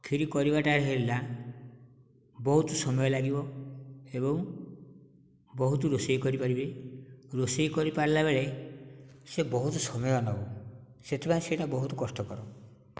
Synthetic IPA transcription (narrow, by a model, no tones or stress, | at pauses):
kʰiɾikɔɾibaʈaɾɦeɾila | bɔɦut̪usɔmɔjɔlaɡibɔ | ebɔŋ | bɔɦut̪uɾosejkɔɾipaɾibeɾosejkɔɾipaɾlabeɭe | sebɔɦut̪ɔsɔmɔjɔnɔbuset̪ʰipanẽseʈabɔɦut̪ɔkɔsʈɔkɔɾɔ